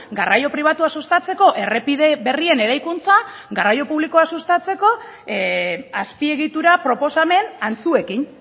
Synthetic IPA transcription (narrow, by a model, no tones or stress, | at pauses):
ɡarajo̞pɾiβ̞at̪uasust̪at͡se̞ko̞ʔe̞repiðeβe̞rie̞ne̞ɾajkunt͡saɡarajo̞puβlikoasust̪at͡se̞ko̞ | aspie̞ɣit̪uɾapɾo̞po̞same̞nant͡sue̞kin